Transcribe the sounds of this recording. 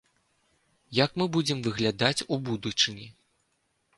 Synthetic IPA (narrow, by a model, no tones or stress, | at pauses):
jakmɨbud͡zʲɛmvɨɣlʲad̪at͡sʲubud̪ut͡ʂɨnʲi